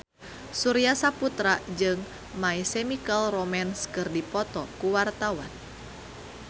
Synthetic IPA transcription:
suɾiasaput̪ɾad͡ʒɨŋ | maisɛmikalrɔmɛnskɨrdipɔt̪ɔkuwart̪awa̰n

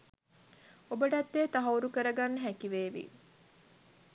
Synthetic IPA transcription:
obəʈat̪ːeːt̪aɦɐuɾukəɾəɡanːəɦækiʋeːʋḭ

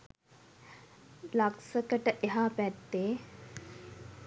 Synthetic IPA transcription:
laksəkəʈəʔeɦapæt̪ːeː

